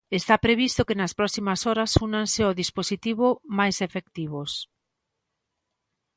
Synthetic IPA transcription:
est̪apɾeβ̞ist̪okenɐspɾɔsimasɔɾasunanseoðisposit̪iβ̞omajsefek̚t̪iβos

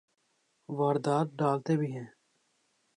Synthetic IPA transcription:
ʋaːɾd̪aːt̪̚ɖaːlt̪eːbiːɦɛ̃ː

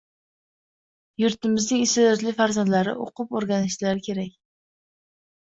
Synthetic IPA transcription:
jʊɾt̪ɪmɪznɪŋɪst̪ed̪ɒt̪lɪfaɾzand̪laɾɪ̰ʔo̰qʰʊpoɾɡʲanɪʃlaɾkʲʰe̞ɾakʲ

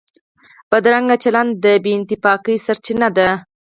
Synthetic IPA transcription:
b̥ad̪ɾaŋɡat͡ʃaland̪̚d̪əbeːnt̪ɪpɑkəjsaɾt͡ʃinad̪a

